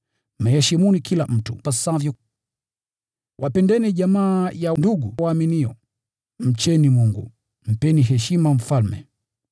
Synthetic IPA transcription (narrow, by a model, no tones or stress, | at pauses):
m̩ɛhɛʃimunikʰilam̩tṵpasavjɔ | wʔapɛndɛniʄamaːjanduɡuwaːminiɔ | m̩t͡ʃɛnimuŋɡṵ | m̩pɛniɦɛʃimam̩falmɛ̰